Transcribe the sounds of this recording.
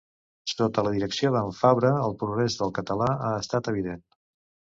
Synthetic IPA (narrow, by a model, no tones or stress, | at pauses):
sot̪ələðiɾəksioðəɱfaβɾəəlˠpɾuɣɾezðəlˠkət̪əlaaəst̪at̪əβ̞iðen